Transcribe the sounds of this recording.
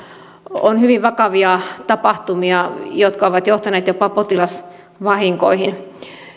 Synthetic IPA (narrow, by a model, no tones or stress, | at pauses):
onhyʋiʋʋɑkɑʋiɑt̪ɑpɑht̪umiɑjot̪kɑoʋɑt̪joht̪ɑneːt̪jopɑpot̪ilɑs | ʋɑhiŋkoihin